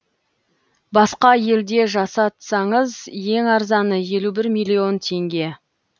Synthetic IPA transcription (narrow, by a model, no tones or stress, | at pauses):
bɑsqɑje̞ld̪e̞ʒɑsɑt̪sɑɴəzje̞ŋɑɾzɑnəje̞lubɪɾmijlʲˠːio̞nt̪ʲʰe̞ŋɡʲe̞